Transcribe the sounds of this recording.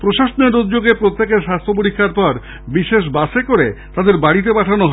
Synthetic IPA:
pɾoʃaʃoneɾud̪d͡ʑoɡepɾot̪ːekeʃast̪ʰɾopoɾikʰːaɾpɔɾ | biʃeʃ̬baʃekoɾet̪ad̪eɾbaɽit̪̬epaʈʰanoɦ

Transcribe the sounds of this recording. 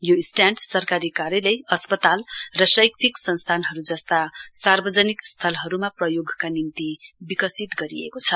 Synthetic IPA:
joisʈjaɳɖsʌrkaɾikaɾjʌlʌjʌspʌt̪alrʌsʌjk̚t̪ʰiksʌnst̪ʰanɦʌɾud͡zʌst̪asarbʌd͡zʌnikst̪ʰʌlɦʌɾumaprʌjoɡʱkanimt̪ibikʌsit̪ɡʌɾiḛkot͡sʰʌ

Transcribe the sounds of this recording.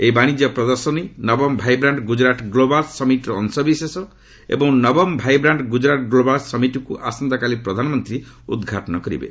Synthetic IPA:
ejbaɽ̃id͡ʒɔpɾɔd̪ɔɾsɔninɔbɔmbʱajbɾaɳɖɡud͡ʒɾaʈɡlobalsɔmiʈɾɔːŋsɔbisesɔ | ḛbɔŋnɔbɔmbʱajbɾaɳɖɡud͡ʒɾaʈɡlobalsɔmiʈɔkuʔasɔnd̪akalipɾɔd̪ʱanɔmɔnt̪ɾi | ṵd̪ɡʱaʈɔnɔkɔɾḭbḛ

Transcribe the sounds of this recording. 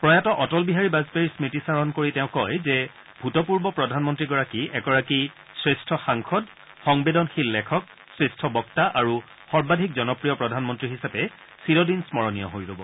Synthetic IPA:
pɹɔjatɔʔɔtɔlbiɦaɹibazpeɹismitisaɹɔnkoɹiteʊ̃kɔjzɛ | bʱutɔpuɹbɔpɹɔdʱanmɔntɹiɡɔɹakiɛɡɔɹaki | sɹestʰɔxaŋkʰɔd | xɔŋbedɔnxilːɛkʰɔk̚ | sɹestʰɔbɔktaʔaɹu | xɔɹbadʱikzɔnɔpɹijɔpɹɔdʱanmɔntɹiɦisapɛ | siɾɔdinsmɔɹɔnijɔ̰ɦojɹobɔ

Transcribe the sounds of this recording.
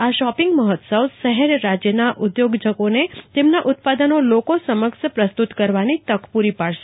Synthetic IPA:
aʃɔpɪŋɡməɦət̪səwʃəɦeɾːad͡ʒjənaʔʊd̪joɡd͡ʒəkonet̪emnaʔʊt̪̚pad̪ənolokosəməkʃpɾəst̪ut̪kəɾʋanit̪əkpuɾipaɭʃe̥

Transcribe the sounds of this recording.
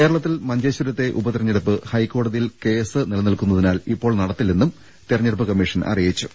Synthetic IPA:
ke̞ːɾɐɭɐt̪ːilmɐɲd͡ʑeːɕuɾɐt̪ːe̞ʔubɐt̪iɾɐɲːɐɽupːɨhɐjkːo̞ːɽɐðijilke̞ːsɨnilɐnilkunːɐðinaːlipːo̞ːɭnɐɽɐt̪ːilnenːum | t̪irɐɲːɐɽup̬ːɐkɐmːiʂɐnʔɐ̰rijit͡ɕːu̥

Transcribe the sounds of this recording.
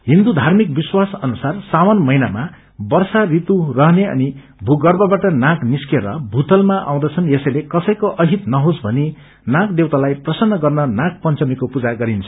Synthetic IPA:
ɦind̪ud̪ʱarmikbiswasʌnusarsamʌnmʌjnama | bʌrsarit̪urʌɦneʌ̰ni | bʱuɡʌrbʌbaʈʌnãɡniskeɾʌbʱut̪ʌlmaʔa̰w̃d̪ʌt͡sʰʌnesʌjlekʌsʌjkoʔʌɦit̪nʌɦosbʱʌne | nãɡd̪ewt̪alajprʌsʌnːʌɡʌrnʌnãk̚pʌnt͡sʌmikopud͡zaɡʌɾint͡sʰʌ̥

